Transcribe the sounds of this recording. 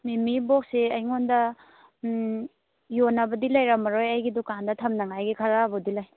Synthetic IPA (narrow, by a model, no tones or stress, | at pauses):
mimibok̚siɐjŋondɐ | jonɐbɐdilɐjɾamɐɾojɐjɡidukandɐtʰɐmnɐŋajɡikʰaɾabudilaj